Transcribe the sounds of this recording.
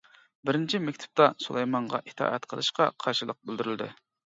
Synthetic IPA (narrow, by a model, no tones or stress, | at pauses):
bɪɾɪnt͡ʃʰimɛkʲt̪ʰɪ̥p̚t̪ɑsulˠejmɑɴʁɑ̰ʔit̪ʰɑ̰ːʔɛt̪qʰəlˠɨʃqɑ̰qʰɑɾʃɨlˠəq̚bøld̪yɾyld̪ɪ̰